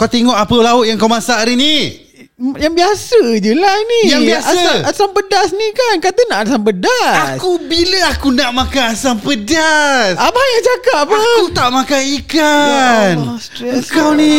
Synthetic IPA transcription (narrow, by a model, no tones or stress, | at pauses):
kawt̪eŋɔʔapəlaʊt̪̚jaŋkawmãsaʔɾini | jaŋbiasəd͡ʒulanĩjaŋbiaəasampədasnikankat̪ənaʔadasampədaaskubiləakunaʔmakaasampədasabahjat͡ʃakapaakut̪aʔmãkajikansəkawni